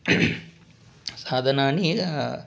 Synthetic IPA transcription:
saːd̪ʱɐnaːni

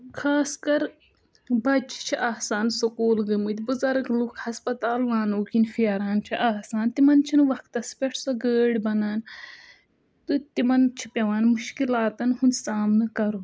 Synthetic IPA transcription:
kʰaːskɐɾ | bɐt͡ʃʰi̥t͡ʃʰiʔaːsaːnsokuːlɡɐmɨt̪ʲbɨzɐɾɐkluːkʰhɐspɐt̪aːlʋaːnoːkinfiɐɾaːnt͡ʃʰiʔaːɦsaːnt̪imɐnt͡ʃʰinɨʋɐkt̪ɐspʲeʈʰsoɡəːɽʲbɐnaːn | t̪ɨt̪imɐnt͡ʃʰi̥pʲɐʋaːnmuʃkilaːt̪ɐnhunsaːmnɨkɐɾu

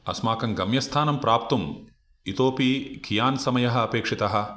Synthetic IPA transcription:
ɐ̰smaːkɐŋɡɐmjɐst̪ʰaːnɐmpɾaːp̚t̪um | it̪oːpikʰijaːnsɐmɐjɐɦɐ̆ɐpeːkʂit̪ɐɦɐ̆

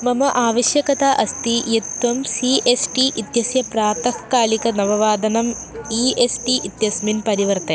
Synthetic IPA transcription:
mɐmɐʔaːʋɐɕjɐkɐt̪aʔɐst̪ijet̪ʋɐmsiʔesʈiʔit̪jɐsjɐpɾaːt̪ɐhkːaːlikɐnɐʋɐʋaːd̪ɐnɐmiːesʈiʔit̪jɐsminpɐɾiʋɐɾt̪ɐ

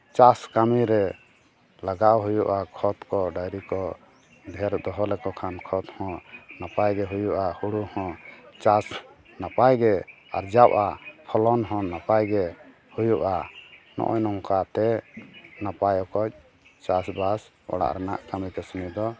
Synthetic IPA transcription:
t͡ʃaskamiɾɛ | laɡaʔɦujuʔakʰɔt̪kɔɖajɾikɔ | d̪ʱɛɾd̪ɔɦɔlɛkɔkʰankʰɔt̪hɔ̃napajɡɛɦujuʔahuɽuhɔ̃t͡ʃas | napajɡɛ | a̰ɾd͡ʒawʔapʰɔlɔnɦɔ̃napajɡɛ | hujuʔanɔ̰̃ʔɔjnɔŋkat̪ɛ | napajɔkɔc̚ | t͡ʃasbas | ɔ̰ɽa̰ʔɾɛnaʔkamit̪ɛsunid̪ɔ

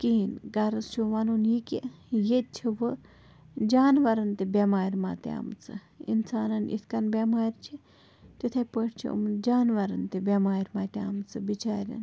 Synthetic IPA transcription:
kiinɡɐɾɐst͡ʃʰuʋɐnunjike | jet̪̚t͡ʃʰiʋɨ | d͡ʒaːnʋɐɾɐnt̪ebʲamaːɾʲmaːt̪ea̰mt͡sʰɨ̰ | ḭnsaːnɐnʔḭskɐnbʲamaːɾʲt͡ʃʰi | t̪it̪ʰepəʈʰt͡ʃʰḭə̰md͡ʒaːnʋɐɾɐnt̪ebʲamaːɾʲmaːt̪ʲeamt͡sʰɨbit͡ʃaːɾʲɐ̰n

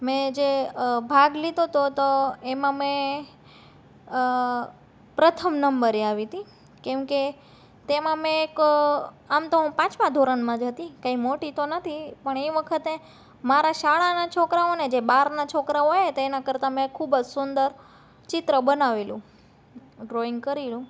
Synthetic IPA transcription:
mɛ̃d͡ʒebʱaɡlid̪ʱot̪ot̪oemãmẽ | pɾət̪ʰəmnəmbəɾeaʋit̪i | kẽmke | t̪emãmẽːk | amt̪oɦũpãt͡ʃmãd̪ʱoɾəɳmãd͡ʒɦət̪ikaimoʈit̪onət̪ʰipəɳeiʋəkʰət̪e | maɾaʃaɭanat͡ʃʰokɾaoned͡ʒebaɾnat͡ʃʰokɾaoet̪oenakəɾt̪amẽkʰubəd͡ʒsʊnd̪əɾ | t͡ʃɪt̪ɾəbənaʋelũ | ɖɾoiŋɡkəɾilũ

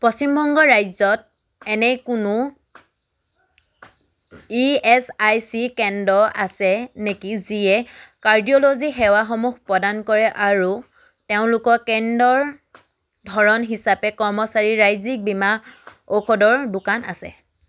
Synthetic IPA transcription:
pɹɔsimbʱɔŋɡɔɹajzɔt̚ | ɛnɛkʊnʊ | iɛsajsikɛndɔasɛnekiziɛkaɹdiolozixɛwaxɔmuxpɹɔdankɔɹɛʔaɹu | teʊ̃lʊkɔkɛndɔɹ | dʱɔɹɔnɦisapɛkɔɹmɔsaɹiɹajzik̚bima | okʰɔdɔɹdʊkana̰sɛ̰

